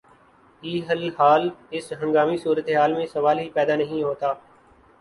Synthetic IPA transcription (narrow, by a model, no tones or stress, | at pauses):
iːɦəlɦaːlɪsɦə̃ŋɡaːmisuːɾət̪eɦaːlmẽsəʋaːlɦiːpɛːd̪aːnəɦĩɦoːt̪aː